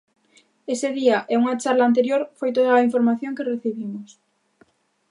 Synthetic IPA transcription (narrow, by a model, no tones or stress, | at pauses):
eseð̞iaʔɛuŋat͡ʃaɾlaːnt̪̬eɾjoɾfojt̪oðɐːiɱfoɾmaθjoŋkereθiβimʊs